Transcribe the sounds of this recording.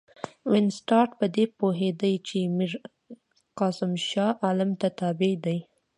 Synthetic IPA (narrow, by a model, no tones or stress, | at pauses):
wɪnsʈɑʈpəd̪epoɦed̪ajt͡ʃemiɾ | qɑsɪmʃɑʔalɪmt̪at̪ɑbed̪aj